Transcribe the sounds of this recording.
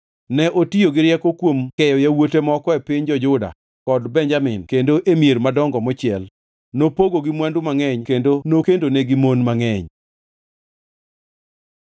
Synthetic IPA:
nɛʔotioɡɪɾjɛkɔkwomkɛjɔjawotemɔkɔɛpɪɲd͡ʒɔd͡ʒʊda̰ | kɔdbɛɲd͡ʒamɪnkendoʔemieɾmadɔŋɡɔmɔt͡ʃɪɛl | nopoɡoɡɪmwandʊmaŋɛɲkendonokendoneɡɪmonmaŋɛɲ

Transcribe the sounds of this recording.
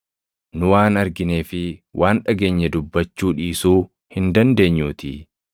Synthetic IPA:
nʊwaːnɐɾɡɪne̞ːfɪwʔaːnᶑɐɡe̞ːɲːɛd̪ʊbːɐt͡ʃːuːᶑiːsuː | hɪnd̪ɐnd̪e̞ːɲːuːt̪ɪ̰

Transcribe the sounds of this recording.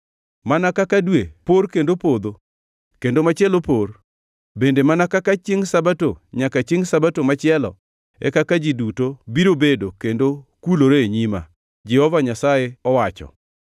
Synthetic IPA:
manakakadweporkendopod̪o | kendomat͡ʃɪelopor | bendemanakakat͡ʃɪŋsabatoɲakat͡ʃɪŋsabatomat͡ʃɪɛlɔ̰ | ɛ̰kakad͡ʒidutobiɾobedokendokuloɾoeɲima̰ | d͡ʒɛhɔvaɲasajeɔwat͡ʃɔ̰

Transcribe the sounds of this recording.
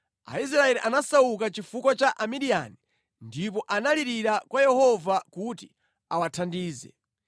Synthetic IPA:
a̰is̬ɾaɛliʔanasaukat͡ʃifukwat͡ʃaʔamiɾia̰ni | ndip̬ɔʔanaliɾiɾakwajɛhɔvakuti̥ | awatʰandiːzɛ̰

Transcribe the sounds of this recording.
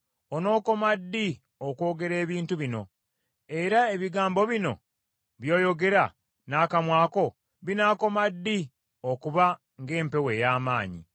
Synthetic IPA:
ono̞ːko̞madːi | okwo̞ːɡe̞ɾe̞ːβiːntuβino̞̰ | e̞ɾae̞βiɡaːmbo̞βino̞̰ | βjo̞ːjo̞ɡe̞ɾa | naːkamwaːko̞ | βinaːko̞madːi | okuβa | ŋɡe̞ːmpe̞we̞jaːmaːɲḭ

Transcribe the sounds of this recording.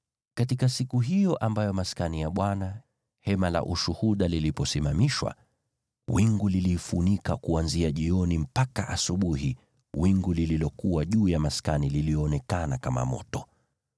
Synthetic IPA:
katikasikuɦijɔʔambajɔmaskanijaɓwana | hɛmala̰ʔuʃuhuɗalilipɔsimamiʃwa̰ | wiŋɡulilifunikakuanziaʄiɔnim̩pakaʔasuɓuhi | wiŋɡulililɔkuwaʄuːjamaskanililiɔːnɛkanakama̰mɔ̰tɔ

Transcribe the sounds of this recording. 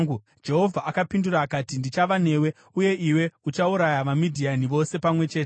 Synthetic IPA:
u | d͡ʒe̞ɦo̞vʱaʔakapinduraːkatindit͡ʃaʋane̞ːwe̞ | uje̞ʔiwe̞ut͡ʃauɾajaʋamidʱianiʋo̞se̞pamwe̞t͡ʃe̞ːte

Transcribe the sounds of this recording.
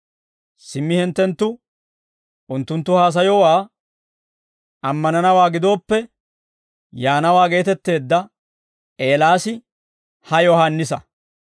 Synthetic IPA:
sɪmːɪhɛnt̪ːɛnt̪ːʊ | ʔʊnt̪ːʊnt̪ːʊhaːs̬ɐjɔwaː | ɐmːɐnɐnɐwaːɡɪd̪o̞ːpːɛ | jaːnɐwaːɡe̞ːt̪ɛt̪ːe̞ːd̪ːɐ | ʔe̞ːlaːsɪ | hɐjɔhanːɪsɐ

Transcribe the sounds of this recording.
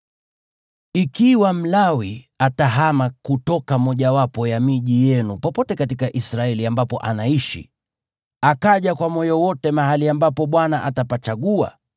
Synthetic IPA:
ikiwam̩lawi | ataɦamakutɔkamɔʄawapɔjamiʄijɛnupɔpɔtɛkatikaʔisɾaɛliambapɔʔanaiʃḭ | akaʄakwamɔjɔwɔtɛmaɦaliambapɔɓwanaʔatapat͡ʃaɠua̰

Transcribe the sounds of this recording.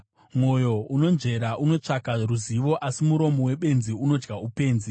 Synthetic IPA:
mo̞jo̞uno̞nʐe̞ɾaʔuno̞t͡ʂakaruziʋo̞ʔasimuɾo̞mowe̞ɓe̞nziuno̞d͡ʒɡaupe̞ːnzi

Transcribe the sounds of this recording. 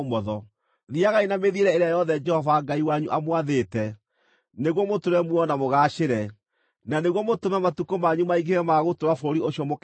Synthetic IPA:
mɔðɔ | ðiaɣainameðieɾɛeɾeajɔðɛd͡ʒɛhɔvaŋɡaiwaɲuʔamwaðetɛ | neɣwɔmotoɾɛmwɔnamoɣaʃeɾɛ | naneɣwɔmotomɛmatukomaɲumaiɡeɾɛmaɣotoɾafooɾioɕiɔmok

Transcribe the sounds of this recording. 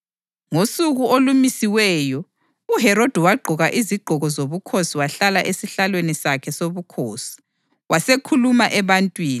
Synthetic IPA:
ŋosuɣuolumisiwɛːjɔ | uɦɛɾod̥ʱɛwaɡ͡ǃʱɔɣaʔiziɡ͡ǃʱɔɣɔzoβukʰosiwaɬalaʔesiɬalwenisakʰɛsoβukʰoːsi̥ | wasekʰulumaʔɛβantʼwiːni

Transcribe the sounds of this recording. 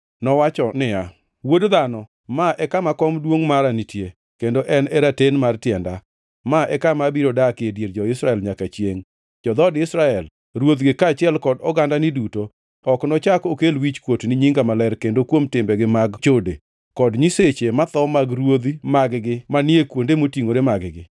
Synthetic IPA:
nɔwat͡ʃɔnɪa | wodd̪anɔ | maʔɛkamakɔmdwoŋmaɾanitje | kendoʔɛnɛɾatenmartjɛnda | maʔɛkamabiɾodakɪedjeɾd͡ʒɔɪsɾaɛlɲakat͡ʃjeŋ | d͡ʒɔd̪ɔdɪsɾaɛl | ɾwot̪ɡɪkat͡ʃɪɛlkɔdɔɡandanɪduto | ɔknɔt͡ʃakokelwit͡ʃkwotnɪɲiŋɡamalɛɾkendokwomtɪmbɛɡɪmaɡt͡ʃode | kɔdɲiset͡ʃemat̪ɔmaɡɾwod̪imaɡɡɪmanɪekwondemotiŋoɾemaɡɡɪ

